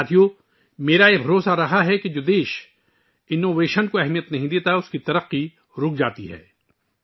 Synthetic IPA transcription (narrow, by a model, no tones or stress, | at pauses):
t̪ʰijo | meːɾajebʱɐɾoːsaɾɐɦaɦɛked͡ʒoːd̪eːʃ | ɪnːoːʋeːʃənkoɛɦmijət̪nɐɦĩd̪eːt̪aɦʊskit̪ɐɾɐqːi | ɾʊk̚ʰd͡ʒaːt̪iɦɛ̰ː